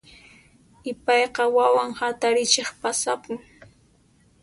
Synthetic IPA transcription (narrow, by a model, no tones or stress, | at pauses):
ɪpɑjqɑwawaŋhat̪aɾɪt͡ʃeχpasapʊŋ